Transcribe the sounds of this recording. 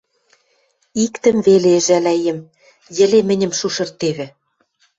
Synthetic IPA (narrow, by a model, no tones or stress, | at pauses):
ikt̪ə̆mveleʒælæjĕm | jɘ̆lemɘ̆nʲɘ̆mʃuʃɤ̆rt̪eβɘ̆